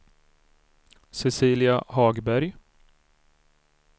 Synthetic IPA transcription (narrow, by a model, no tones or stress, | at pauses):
sɛsiːlɪahɑːɡbæɾj